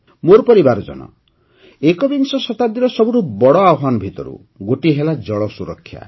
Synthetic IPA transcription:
moɾpɔɾibaɾɔd͡ʒɔ̰nɔ̰ | ekɔbinsɔsɔt̪ad̪iɾɔsɔbuɾubɔɽɔawɔɦanɔbʱit̪ɔ̰ɾṵ | ɡoʈiɦelad͡ʒɔɭɔsuɾɔkʰːja̰

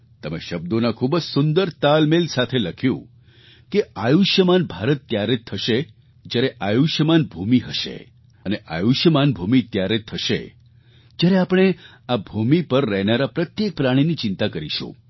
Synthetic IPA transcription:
t̪əmḛʃəb̚d̪onakʰubəd͡ʒsʊnd̪əɾt̪almelsat̪ʰeləkʰjṵ̃ | keajuʃjəmanbʱaɾət̪ːjaɾet̪ʰːəʃe | d͡ʒjaɾeʔajuʃjəmanbʱumiɦəʃḛ | əneʔa̰juʃjəmanbʱumit̪jaɾet̪ʰːəʃḛ | d͡ʒjaɾeapɽ̃e | abʱumipəɾːɛɦnaɾapɾət̪jek̚pɾaɽ̃init͡ʃɪnt̪akəɾiʃõ̰

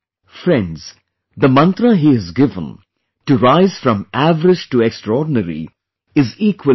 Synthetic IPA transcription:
fɾɛ̃nɖz̥ | d̪əmʌ̃nt̪ɾəɦiɨzɡɪvə̃n | ʈuɾaɪz̥fɾʌ̃mʔævəɾɪd͡ʒʈuɛkstɾɔːɖⁿnəɾḭ | ɪziːkwə

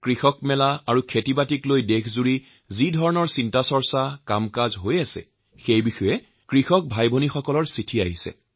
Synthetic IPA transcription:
kɹixɔkmɛlaaɹukʰetibatiklojdekʰzuɹi | zidʱɔɹɔnɔɹsintasɔɹsakamkazɦojasɛ̰ | xejbixɔjɛ | kɹixɔk̚bʱajbʱonixɔkɔlɔɹsitʰiaɦisɛ̰

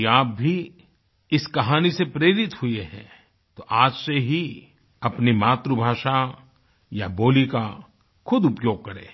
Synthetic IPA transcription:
aːp̚bʱi | ɪskɐɦaːnisepɾeːɾɪt̪ɦʊeɦɛ̰̃ | t̪oʔaːd͡ʒseɦi | ɐpnimaːt̪ɾubʱaːʃa | jaboːlika | xʰʊd̪ʊpjoːɡ̚kɐɾḛ̃ː

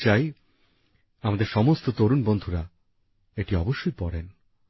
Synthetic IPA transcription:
t͡ɕaj | amad̪eɾʃɔmost̪ot̪oɾunbond̪ʱuɾa | eʈiɔboʃːojpɔɽen

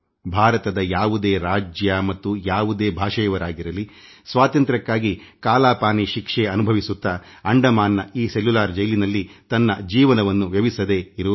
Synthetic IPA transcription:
bʱaːɾɐt̪ɐd̪ɐjaːʋud̪e̞ːɾaːd͡ʒjɐmɐt̪ːujaːʋud̪eːbʱaːʂɐjɐʋɐɾaːɡiɾɐlisʋaːt̪ɐnt̪ɾɐkːaːɡikaːlaːpaːniʃikʂeɐnubʱɐʋisut̪ːɐ | ɐɳɖɐmaːnːɐiːselːulaːɾd͡ʒɐjlinɐlːit̪ɐnːɐd͡ʒiːʋɐnɐʋɐnːuʋjɐʋisɐd̪eːiɾu

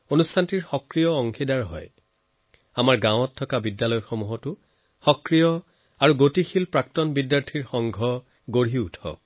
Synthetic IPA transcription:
onustʰantiɹxɔkɹijɔɔŋxidaɹɦɔ̰j | amaɹɡãw̃ɔtʰːɔkabidjalɔjxomuɦɔtʊ | xɔkɹijɔ | aɹuɡotixilpɹak̚tɔnbidjaɹtʰiɹxɔŋɡʱɔ | ɡoɹiutʰɔ̰

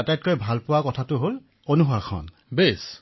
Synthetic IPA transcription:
atajt̚kojbʱalpʊwakɔtʰatʊɦol | onuɦakʰɔ̰n | bes

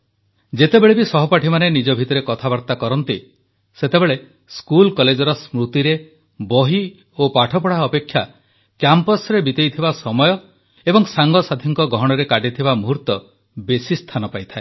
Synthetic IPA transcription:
d͡ʒet̪ebeɭebisɔɦɔpaʈʰimanenid͡ʒɔbʱit̪ɔɾekɔt̪ʰabaɾt̪akɔɾɔnt̪i | set̪ebeɭe | skulkɔled͡ʒɔɾɔsmɾut̪iɾe | bɔɦi | opaʈʰɔpɔɽaɔpekʰːja | kjampɔsɾebit̪ejt̪ʰibasɔmɔjɔ | ebɔŋsaŋɡɔsad̪ʱiŋkɔɡɔɦɔɽ̃ɔɾekaɖit̪ʰibamuɦuɾt̪ɔ | besist̪ʰanɔpajt̪ʰae

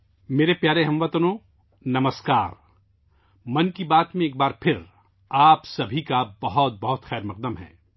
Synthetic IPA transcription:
meːɾepjaːɾeɦɐ̃mʋɐt̪ənõː | nɐməskaːɾ | mɐnkibaːt̪mẽeːk̚baːɾpʰɪɾ | aːpsɐbʱikabɐɦɔt̪̚bɐɦʊt̪xɛːɾmɐq̚d̪əmɦɛ̰ː

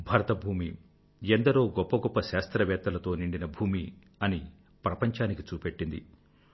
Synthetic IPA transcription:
bʱɐɾɐt̪ɐbʱuːmi | end̪ɐɾoːɡɔpːɐɡɔpːɐʃaːst̪ɾɐʋɛːt̪ːɐlɐt̪o̞ːniɳɖinɐbʱuːmi | ɐni | pɾɐpɐɲt͡ʃaːnikit͡ʃuːpe̞ʈːind̪i

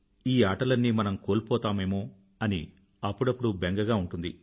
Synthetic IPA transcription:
iːaːʈɐlɐnːimɐnɐmko̞ːlpɔːt̪aːmeːmoː | ɐnḭ | ɐpːuɽɐpːuɽubeŋɡɐɡaːuɳʈund̪i

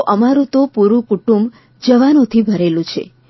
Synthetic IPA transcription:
ʔəmaɾũt̪opuɾũkuʈumb | d͡ʒəʋanot̪ʰibʱəɾelũt͡ʃʰḛ

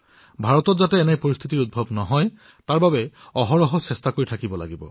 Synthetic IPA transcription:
bʱaɹɔtɔtzatɛːnɛpoɹist̪ʰitiɹut̚bʱɔbnɔɦɔj | taɹbabɛɔɦɔɹɔɦɔsɛstakoɹitʰakibɔla̰ɡibɔ̰

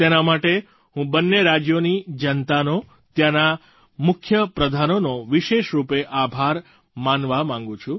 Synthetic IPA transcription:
t̪enamaʈe | ɦũbənːeɾad͡ʒjonid͡ʒənt̪ano | t̪jana | mʊkʰjəpɾəd̪ʱanonoʋiʃeʃɾupeʔabʱaɾ | manʋamãŋɡũt͡ʃʰũ

